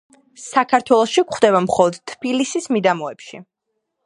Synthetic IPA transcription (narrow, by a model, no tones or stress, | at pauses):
sakʰaɾt̪ʰwɛlˠɔʃikχd̪ɛβamχɔlˠɔd̪̥t̪ʰːb̥ilisismid̪amɔɛpʃḭ